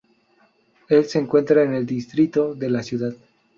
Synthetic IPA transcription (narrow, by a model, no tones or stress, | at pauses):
e̞lse̞ːŋkwe̞nt̪ɾaene̞ld̪ist̪ɾit̪o̞ðe̞lasjuðað